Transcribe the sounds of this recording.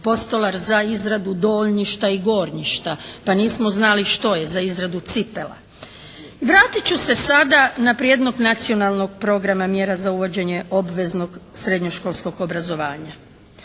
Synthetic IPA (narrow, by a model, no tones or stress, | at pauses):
po̞st̪o̞laɾzaizɾad̪ud̪o̞ːʎɲiʃt̪aiɡo̞ːɾɲiʃt̪apaniːsmo̞znaliʃt̪o̞je̞zaizɾad̪ut̪sipe̞̰lˠa̰ | iʋɾaːt̪it͡ɕuse̞sad̪anapɾije̞d̪no̞ɡnat̪sio̞nalˠno̞ɡpɾo̞ɡɾamamje̞ɾazauʋo̞d͡ʑe̞ɲeʔo̞bʋe̞zno̞ɡsɾed̪ɲo̞ʃko̞lˠsko̞ɡo̞bɾazo̞ʋaːɲa